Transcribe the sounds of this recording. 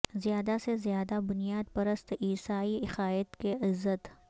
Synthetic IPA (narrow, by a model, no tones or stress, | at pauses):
zjaːd̪asezjaːd̪abʊnijaːd̪pɐɾəst̪iːsaːiɪxaːət̪keʔɪzːət̪